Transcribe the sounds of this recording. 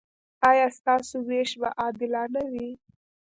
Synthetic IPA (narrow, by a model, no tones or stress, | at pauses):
ɑjɑst̪ɑsoweʃba̰ʔɑd̪ɪlɑnawi